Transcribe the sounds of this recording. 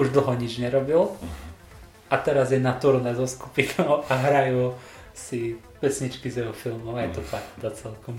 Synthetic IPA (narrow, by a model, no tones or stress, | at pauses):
uʒd̪l̩ˠɦɔɲid͡ʒɲɛɾɔbil | ʔat̪ɛɾazjɛnat̪uɾnɛzɔsku̥pinɔʊʔaɦɾajuː | si | pɛsɲit͡ʃkizjɛɦɔfilmɔʊajɛt̪ɔpakd̪at͡sɛlkɔm